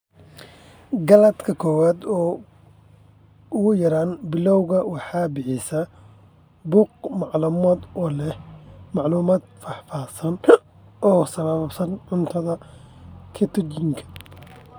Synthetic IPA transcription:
ɡɐlɐd̪kʰɐkʰɔːwaːd̪ɔː | ʊɣʊjɐɾaːnbɪlɔwɣɐwɑħɑːbɪħɪsɐ | buːq̚mɑʕluːmaːd̪ɔlɛhmɑʕluːmaːd̪̚fɑħfaːsɐn | ʔɔːsɐβɐβbsɐnʕʊnt̪ʰɐðɐ | kʰɐt̪ʰɔd͡ʒɪŋkʰɐ̥

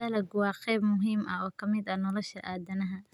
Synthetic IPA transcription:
ɐlɐɡʊwɑːqɛːbmʊɦiːmʔɐɔːkʰɐmɪd̪ɐnɔlɔʃɐʔaːd̪ɐnɐɦɐ

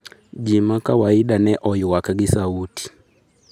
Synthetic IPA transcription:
d͡ʒimakawaiɗanɛʔɔjwakaɡisauti̥

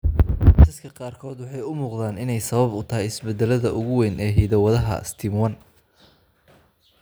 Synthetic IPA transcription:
sɪskʰɐqɑːrkʰɔːd̪wɑħɑjʊmuːqðaːnɪnɛjsɐβɐbʊt̪ʰɐɦɛjɪsbɛd̪ːɛlɐðɐʔʊɣʊwɛːnʔɛːɦiðɐwɐðɐɦɐ̰st̪ʰimwɐn

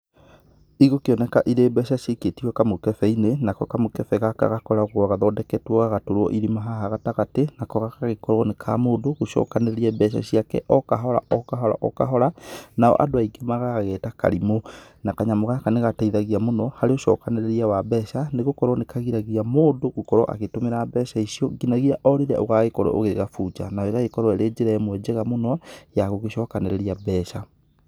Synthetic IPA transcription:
iɣokeɔnɛkaʔiɾebɛɕaɕeketiwɔkamokɛfɛinenakɔkamokɛfɛɣaka̰ɣakɔɾaoɣwaɣaðɔdɛkɛtwɔɣaɣatoɾwɔ̰ʔiɾimaɦaɦaɣataɣatenakɔɣakaɣekɔɾɔnekʰa̰moːndoɣoʃɔ̰ːkaneɾeɾiɛbɛɕ̬a̰ɕiakɛ̰ʔɔkaɦɔɾa̰ʔɔkaɦɔɾa̰ʔɔ̰ka̰ɦɔɾanaɔ̰ʔa̰doaiɡemaɣaɣɛtaka̰ɾimonakaɲamoɣakaneɣataiðaɣiamonɔhaɾeoʃɔ̰kaneɾeɾiawabɛʃaneɣokɔɾwɔnekaɣiɾaɣiamoːndoɣokɔɾɔ̰ʔa̰ɣetomeɾabɛʃaisjɔɡinaɣiaʔɔɾiɾɛʔoɣaɣekɔɾɔ̰ʔo̰ɣeɣafud͡ʒa̰naɔeɣaɣekɔɾɔeɾed͡ʑeɾɛmwɛd͡ʒɛɣamonɔjaɣoɣeɕɔkaneɾeɾiabɛʃa

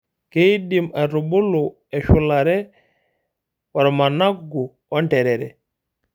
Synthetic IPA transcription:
kedimaɾubulːu | ɛʃulːaɾɛ | waɾamanaɡu | ɔntɛɾɛɾɛ̰

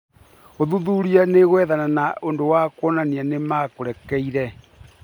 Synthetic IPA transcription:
oðuðuɾianeɣwɛðananaondowakwɔnanianemakoɾɛkɛiɾɛ

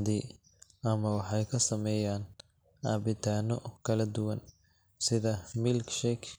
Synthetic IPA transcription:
d̪i | ʔɐmɐwɑħɑjkʰɐsɐmɛjaːn | aːbɪt̪ʰaːnɔkʰɐlɐd̪ʊwɐn | sɪðɐmɪlkʃɛkʰ

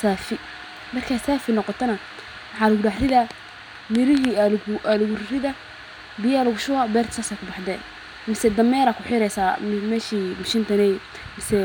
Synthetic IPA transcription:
saːfɪ | mɐrkʰasaːfɪnɔqɔt̪ʰɐnɐ | wɑħɑːlʊɡʊɖaħrɪða | mɪɾɪɦilʔalʊɡʊrrɪða | bɪjalʊɡʊʃʊwabɛːrt̪saːsaːkʰʊbɑħd̪ɛ̰ːn | mɪsɛd̪ɐmɛːɾaːkʰʊħɪɾɛjsaːmɛːʃimɪʃɪnt̪ʰɐnɛj | mɪsɛ

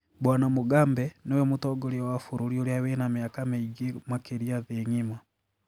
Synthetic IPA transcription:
bwaːnamuɡaːmbɛnowemutoɡoliwafuɾuɾjoliawenamiakameiɡemakeɾiaðeɲima

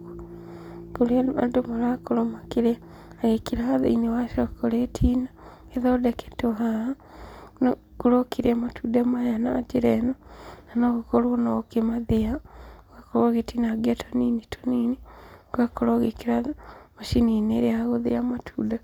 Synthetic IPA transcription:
kolea̰ndomolakoɾomakiɾeaː | ɣekiɾaða̰inewaʃokoletʰina | eðodekʰe̥toɦaa | no | koɾokiɾeamatʰudamajanaːt͡ʃeɾenonanoɣokoɾonokemaðeaɣakoɾoɣetinaɡatʰoninitʰo̥niniakoɾoɣekiɾaðamaʃinineɾeaɣoðḛamatʰuːda

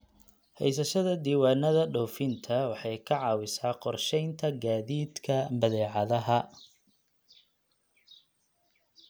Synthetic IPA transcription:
hɛ̰js̬ɐʃɐðɐd̪iːwɑːnɐðɐɖɔwfɪnt̪ʰɐwɑħɑjkʰɐʕɑːwɪsaːqɔrʃɛjnt̪ʰɐɡaːðiːd̪kʰɐbɐðɛːʕɑðɐɦɐ

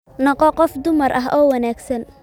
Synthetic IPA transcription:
nɔqɔqɔfd̪ʊmɐrʔɐɦɔːwɐnaːɡsɐn

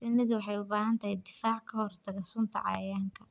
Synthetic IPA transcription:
sɪnɪðɪwɑħɑjʊbaːɦɐnt̪ʰɐhɛjd̪ɪfaːʕkʰɐhɔrt̪ʰɐɣɛsʊnt̪ʰɐ̰ʕɑ̰jaːŋkʰɐ̥

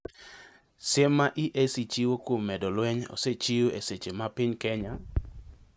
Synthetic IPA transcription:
sɪmːaʔiʔesit͡ʃiwokwomːɛdɔlwɛɲo̰set͡ʃioʔeset͡ʃemapɪɲkɛɲa

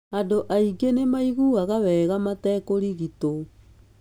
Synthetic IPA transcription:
adoʔaiɡenemaiɣuaɣawɛːɣamatɛkoɾiɣito

